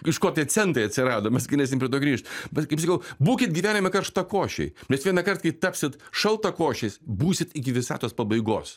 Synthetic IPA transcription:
ɪʃkoːt̪ʲiɛsʲɛnt̪ɾɐɪɐt̪ʲsʲɪɾɑːd̪oːmʲɛsɡɪnʲɛːsʲɪmpʲɾʲɪɛt̪oːɡɾʲiːʃt̪mʲɛkɐɪpsɐkɐʊbuːkʲɪt̪̚ɡʲiʋʲæːnʲɪmʲɐkɐrʃt̪ɐkoːʃʲɛ̰ɪnʲɛsʋʲiɛnɐkɐrt̪kɐɪt̪ɑːpʲsʲɪt̪ʃɐlˠt̪ɐkoːʃʲɛsbuːsʲɪt̪ɪkʲɪʋʲɪsɑːt̪oːspɐbɐɪɡoːs

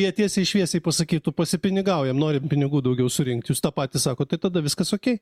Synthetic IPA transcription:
iɛt̪ʲiɛsʲɛɪʃʲʋʲiɛsʲɛɪpɐsɐkʲiːt̪ʊpɐsʲɪpʲɪnʲɪɡɑʊjɛmnoːɾʲɪmpʲɪnʲɪɡuːd̪ɐʊɡʲɛʊsʊɾʲɪŋk̚t̪juːst̪ɑːpɑːt̪ʲisɑːkoːt̪ɐɪt̪ɐd̪ɐʋʲɪskɐsoːkʲɛɪ

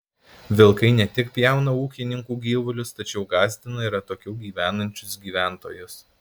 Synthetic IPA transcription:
ʋʲɪlˠkɐɪnʲɛt̪ʲɪkpʲjɛˑʊnɐuːkʲɪnʲɪŋkuːɡʲiːʋʊlʲʊst̪ɐt͡ʃʲɛʊɡɑːzʲd̪ʲɪnɐiːɾɐt̪oːkʲɛʊɡʲiːʋʲæːnɐnʲt͡ʃʲʊsɡʲiːʋʲæːˑnt̪o̰ːjʊs

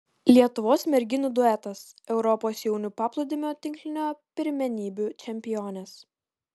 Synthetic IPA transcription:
lʲiɛt̪ʊʋoːsmʲɛɾʲɡʲɪnʲuːd̪ʊɛt̪ɐsɛʊɾɔpoːsjɛʊnʲupɑːplˠod̪ʲɪmʲoːt̪ʲɪŋʲklʲɪnʲoːpʲɪɾʲmʲɛnʲiːbʲut͡ʃʲɛmʲpʲɪjoːnʲɛs

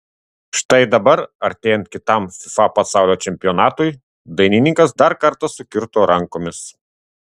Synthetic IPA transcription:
ʃt̪ɐɪd̪ɐbɐɾɐɾʲt̪ʲeːjɛnt̪kʲɪt̪ɐˑmfʲɪfɑpɐsɑˑʊlʲoːt͡ʃʲɛmʲpʲɪjɔːnɑːt̪ʊj | d̪ɐɪnʲɪnʲɪŋkɐs̬d̪ɐɾkɐɾt̪ɐsʊkʲɪɾt̪oːɾɐŋkoːmʲɪs

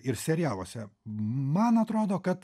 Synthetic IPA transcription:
ɪrsʲɛɾʲɪjæːlˠoːsʲɛmɐnɐt̪ɾoːd̪oːkɐt̪

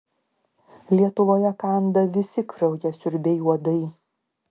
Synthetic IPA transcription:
lʲiɛt̪ʊʋoːjɛkɑˑnd̪ɐʋʲɪsʲɪkɾɐʊjʲɛsʲʊɾʲbʲɛɪuɔd̪ɐɪ

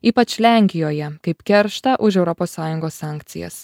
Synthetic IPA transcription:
iːpɐt͡ʃʲlʲæˑŋʲkʲɪjoːjɛkɐɪpkʲɛɾʃt̪ɐʔʊʃ̬ɛʊɾɔpoːsːɑːjʊŋɡoːsːɑːˑŋʲkt̪sʲɪ̰jɛ̰s

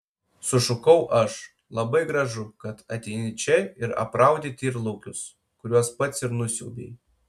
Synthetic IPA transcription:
sʊʃʊkɐʊʔɐʃ | lˠɐbɐɪɡɾɐʒʊkɐt̪ɐt̪ʲɛɪnʲɪt͡ʃʲɛɪɾɐ̰pɾɑˑʊd̪ʲɪt̪ʲiːɾlˠɐʊkʲʊs | kʊɾʲuɔspɐt̪sʲɪɾnʊsʲṵːbʲḛj

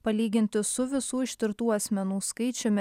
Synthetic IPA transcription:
pɐlʲiːɡʲɪnʲt̪ʲɪsʊʋʲɪsuːɪʃʲt̪ʲɪɾt̪uːɐsʲmʲɛnuːskɐɪt͡ʃʲʊmʲɪ

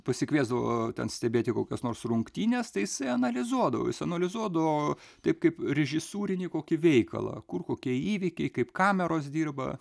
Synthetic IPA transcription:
pɐsʲɪkʋʲiɛzd̪ɐʋo̰ːt̪ʲɛ̰nsʲt̪ʲɛbʲeːt̪ʲɪkoːkʲoːsnoːrsrʊŋkt̪ʲiːnʲest̪ɐɪjɪsɐɪɐnɐlʲɪzuɔd̪ɐʋo̰ːjɪsɐɐnɐlʲɪzuɔd̪ɐʋoː | t̪ɐɪpkɐɪprʲɛʒʲɪsuːɾʲɪnʲiːkoːkʲɪʋʲɛɪkɐ̰lˠɐ̰ːkʊrkoːkʲiɛiːʋʲɪkʲɛɪkɐɪpkɑːmʲɛɾoːs̬d̪ʲiːrbɐ̰

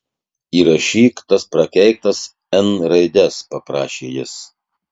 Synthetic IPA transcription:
iːɾɐʃʲiːkt̪ɐspɾɐkʲɛɪk̚t̪ɐs | ɛnɾɐɪd̪ʲɛspɐpɾɑ̰ːʃʲḛːjɪ̰s

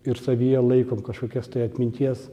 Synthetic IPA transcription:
ɪɾsɐʋʲijɛlˠɐɪkoːmkɐʃkoːkʲost̪ɐɪɐt̪ʲmʲɪnʲt̪ʲiɛs

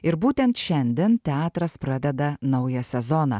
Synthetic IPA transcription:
ɪɾbuːt̪ʲɛnt̪ʃʲɛnʲd̪ʲɛnt̪ʲɛɑːt̪ɾɐspɾɐd̪ʲɛd̪ɐnɐʊjɐsʲɛzonɑ̰ː

